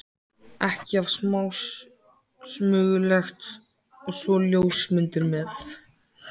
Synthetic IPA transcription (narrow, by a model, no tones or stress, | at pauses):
ɛhcɪavsmaːws | smʏːɣʏlɛxt̪ | ɔɣsvɔljoːwsmʏnt̪ɪɾmɛθ